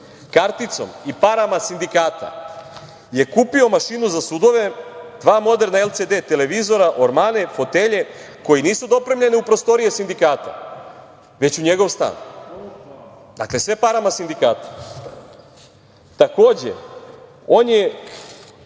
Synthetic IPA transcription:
kaɾt̪it̪so̞̰mipaɾamasind̪ikaːt̪a̰ | je̞kuːpio̞maʃinuzasud̪o̞ʋe̞d̪ʋaːmo̞d̪e̞ɾnaelˠt̪sed̪eːt̪e̞le̞ʋizo̞ɾaʔo̞ɾmaːne̞fo̞t̪eʎe̞ | ko̞jiniːsud̪o̞pɾe̞mʎe̞niupɾo̞st̪o̞ɾijesind̪ikaːt̪a̰ | ʋe̞t͡ɕuɲe̞ɡo̞ʋst̪a̰ːn | d̪a̰kle̞sʋe̞paɾamasind̪ikaːt̪ḁ | t̪ako̞ːd͡ʑḛ | o̞ːnje

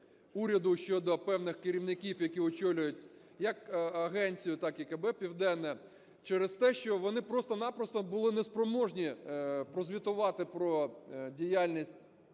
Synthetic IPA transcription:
uɾʲɐd̪ʊʃt͡ʃɔd̪ɔpɛwnɪxkɪɾʲiwnɪkʲiwjɐkʲiɔt͡ʃɔlʲʊjʊt̚ʲ | jɐkɐɦɛnʲt͡sʲijʊt̪ɑkikɛbɛpʲiwd̪ɛnːɛ | t͡ʃɛɾɪst̪ɛʃt͡ʃɔʋɔnɪpɾɔst̪ɔnɑpɾɔst̪ɔbʊlˠɪnɛspɾɔmɔʒnʲipɾɔzʲʋʲit̪ʊʋɑt̪ɪpɾɔdʲijalʲnʲisʲtʲ

